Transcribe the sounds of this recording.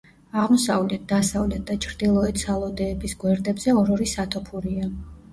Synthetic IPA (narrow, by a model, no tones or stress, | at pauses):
aʁmɔsavlɛt̪̚d̪asavlɛt̪̚ʰd̪at͡ʃʰɾd̪ilˠɔɛt̪sʰalˠɔd̪ɛːbisɡwɛɾd̪ɛbz̥ɛɔɾɔɾisat̪ʰɔpʰuɾia